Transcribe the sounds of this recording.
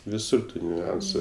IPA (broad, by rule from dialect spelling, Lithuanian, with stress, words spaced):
ʋʲɪˈsʊr ˈtuː nʲʊˈɐnsʊ